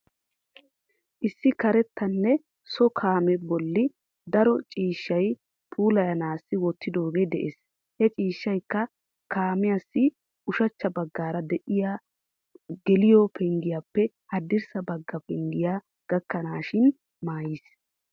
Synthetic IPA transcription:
ʔɪsːɪkɐɾɛt̪ːɐnːɛ | sɔkʰaːmɛbɔlːɪ | d̪ɐɾɔt͡ʃʼiːʃːɐj | pʰuːlɐjɐnaːsːɪwɔt̪ːɪd̪o̞ːɡeːd̪ɛʔeːs | hɛt͡ʃʼiːʃːɐjkːɐ | kaːmɪjasːɪ | ʊʃɐt͡ʃːɐbɐɡːaːɾɐd̪ɛʔɪjaː | ɡɛlɪjɔpʰɛŋɡɪjaːpːɛ | hɐd̪ːɪɾsɐbɐɡːɐpɛŋɡɪjaː | ɡ̥ɐkːɐnaːʃɪn | maːjis

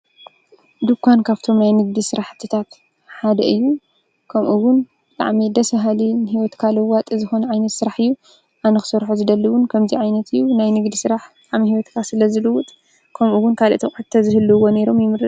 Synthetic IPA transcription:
d̪ɨkʷʰːankʰaβt̪ʰo̞mnajnɨɡ̚d̪isɨɾaħt̪ʰɨt̪ʰat̪ | ħad̪ɐʔɨjːu | kʰɐmʔuwʊn | d̪ʼa̰ʕmid̪ɐsɐɦalinhiwɔt̪kʰalɐwːat̪ʼɨzɨxo̞nɐʕajnɐt̪sɨɾaħɨjːu | ʔanɐxɨ̥sɐɾħozɨd̪ɐlːɐwʊnkʰɐmziʕajnɐt̪ʰɨjːunajnɨɡd̪isɨɾaħd̪aʕmihiwɔt̪kʰasɨlɐzɨlɨwːʊt̪ʼ | kʰɐmʔuwʊnkʰalt̪ʰɐkʼɨt̪ʰːɐzɨhɨlːɨwo̞ne̞ɾo̞mjɪmɨɾɨt̪

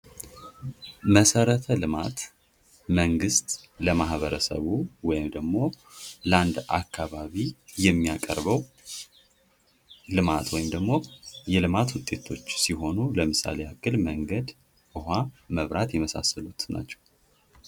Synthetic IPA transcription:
məsəɾət̪ʰəlɨmat̪ | məŋɡɨst̪ləmaɦβəɾəsə̰βuwɔjɪmd̪əɡmo̞ | ləand̪ʔa̰kːaβaβijɛmːijakʼə̰ɾbəw | lɨmat̪wɔjɪmd̪əɡmo̞jɛlɨmat̪wʊt̪ʼe̞t̪ʰo̞t͡ʃːsiɦo̞nuləmɨsa̰lejakːɨlməŋɡəd̪ | ʔɨɦaməβɾat̪jɛməsa̰səlut̪na̰t͡ʃːɛ̥w

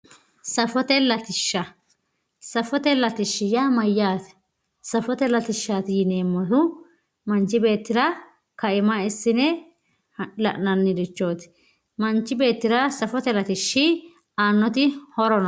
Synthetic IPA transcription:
sɐfɔt̪ɛlɐt̪ɪʃːɐ | sɐfɔt̪ɛlɐt̪ɪʃːɪjamɐjːaːt̪ɛ̥ | sɐfɔt̪ɛlɐt̪ɪʃːaːt̪ɪjɪne̞ːmːɔt̪ʊ | mɐnt͡ʃːɪbe̞ːt̪ːɪɾɐ | kɐʔɪmɐɪsːɪnɛ | lɐ̰ʔnɐnːɪd̪ɪt͡ʃːo̞ːt̪ | mɐnt͡ʃːɪbe̞ːt̪ːɪɾɐsɐfɔt̪ɛlɐt̪ɪʃːɪ | aːnːɔt̪ɪhɔɾɔnɐ

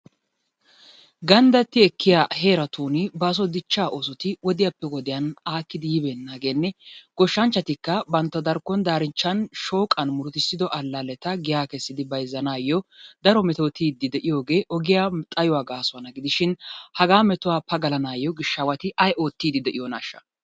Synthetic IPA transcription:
ɡɐnd̪ɐt̪ːɪɛkːɪjaːɦe̞ːɾɐt̪uːnɪbɐːs̬ɔd̪ɪt͡ʃːaːʔoːsɔt̪ɪwɔd̪ɪjapːɛɡɔd̪ɪjɐnaːkːɪd̪ɪjɪbeːnːaːɡe̞ːnːɛɡ̥ɔʃːɐnt͡ʃːɐt̪ɪkːɐbɐnt̪ːɐd̪ɐɾkːɔnd̪aːɾɪnt͡ʃːɐnʃo̞ːkʼːɐnmʊɾt̪ɪsɪd̪ɔʔɐlːɐlɛt̪ɐɡɪjaːkɛsːɪd̪ɪbɐjzːɐnaːjːɔd̪ɐɾɔmɛt̪oːt̪iːd̪ːɪd̪ɛʔɪjo̞ːɡe̞ːʔɔɡɪjaːt̪ʼɐjɔwaːɡaːsʊɐnɐɡɪd̪ɪʃɪnhɐɡaːmɛt̪ʊwaːpɐɡɐlɐnaːjːɔɡɪʃːɐwɐt̪ɪʔɐjʔo̞ːt̪ːiːd̪ɪd̪ɛʔɪjɔna̰ʃːɐ̥̰

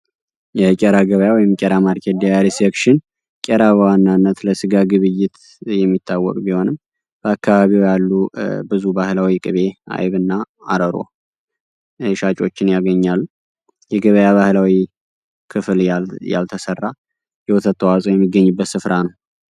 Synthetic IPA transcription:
jɛkʼɛɾaɡəβəjawɔjɪmkʼɛɾamaɾkʰed̪ijaɾisekʃɪn | kʼɛɾaβəwanːanːət̪ləsɨɡaɡɨβɨjɪt̪ | jɛmːit̪ʰːawːɔ̰kʼbiho̞nɨm | b̥əakːaβaβiwjalːubɨzubahlawikʼɨβe̞ʔa̰jβɨnːa | aɾəɾo̞̰ | ʃat͡ʃʼo̞t͡ʃːɪnjaɡəɲːalːu | jɛɡəβəjaβahlawi | kʰɨflja̰lt̪ʰəsərːa | jɛwɔt̪ʰət̪ʰʼːəwasʼojɛmːiɡːəɲːɨbːət̪sɨfɾanəw

